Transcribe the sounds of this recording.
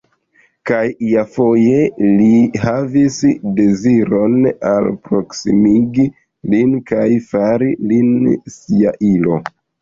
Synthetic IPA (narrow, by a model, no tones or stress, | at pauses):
kajiafo̞je̞lihavisde̞ziɾo̞na̰lpɾoksḭmiɡi | linkajfaɾilinsiaʔilo̞